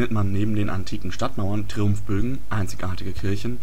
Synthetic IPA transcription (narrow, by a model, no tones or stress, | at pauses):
ətmanːeːbm̩deːnʔa̰ntʰiːkŋ̩ʃtatmaʊɐntʁ̥iʊmfb̥øːɡŋ̩ʔaɪnt͡sɪ̥çʔaːɐtɪɡəkʰɪɐçn̩